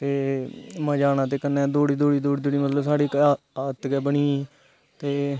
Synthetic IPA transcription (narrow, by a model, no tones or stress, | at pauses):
t̪eːmə̃ːd͡ʒaːnãːt̪eːkənːɛːd̪oːɽiːd̪oːɽiːd̪oːɽiːd̪oːɽiːmət̪ləbsaːɽiː | at̪kɛːbəɳiː | t̪eː